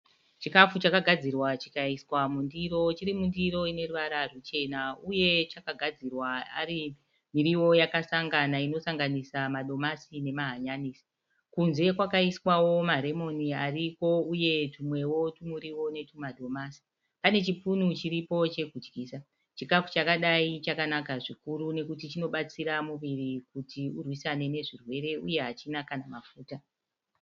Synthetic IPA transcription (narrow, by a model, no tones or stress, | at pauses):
t͡ʃikafut͡ʃakaɡʱad͡zirwat͡ʃi̥kaiswamundiɾo̞t͡ʃiɾimundiɾo̞ine̞ruʋaɾarut͡ʃe̞nauje̞t͡ʃakaɡʱad͡zirwaa̰ɾi | miɾiwo̞jakasaŋɡanaino̞saŋɡanisamaɗo̞masine̞maɦaɲaniːsi̥ | kunze̞kwakaiswawo̞maɾe̞mo̞niariko̞uje̞tumwe̞wo̞tumuɾiwo̞ne̞tumaɗo̞masi̥ | pane̞t͡ʃipunut͡ʃiɾipo̞t͡ʃe̞kud͡ʒɡiːsa | t͡ʃikafu̥t͡ʃakaɗait͡ʃakanakaʐikuɾune̞kutit͡ʃino̞ɓat͡siɾamuʋirikutiurwisane̞ne̞ʐirwe̞ɾe̞uje̞ɦat͡ʃinakanamafuːta